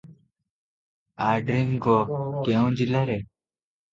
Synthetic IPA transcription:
aɖɾiŋɡokeũd͡ʑilɐɾe

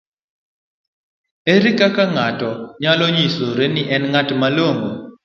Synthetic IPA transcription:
eɾikakaŋatɔɲalɔɲisoɾeniʔɛnŋatmaloŋo

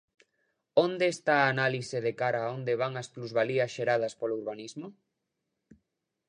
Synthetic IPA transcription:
ond̪eest̪aːnaliseðekaɾaːond̪eβ̞aŋɐspluzβaliɐsʃeɾað̞ɐspolouɾβanizmo

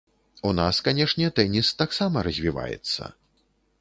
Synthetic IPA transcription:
unaskanʲɛʂnʲɛt̪ɛnʲist̪aksamɐɾɐzʲvʲiva̰jɛ̰t̪sːɐ̰

